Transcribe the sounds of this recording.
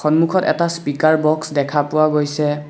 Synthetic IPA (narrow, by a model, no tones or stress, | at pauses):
xɔnmukʰɔtɛ̰taspikaɹbɔksdɛkʰapʊwaɡojsɛ